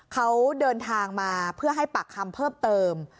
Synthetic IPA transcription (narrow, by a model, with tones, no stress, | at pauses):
kʰa˦˥wdɤː˧nt̪ʰaː˧ŋmaː˧pʰɯ˥˩ɐɦa˥˩jpa˨˩kʰːa˧mpʰɤː˥˩mt̪ɤː˧m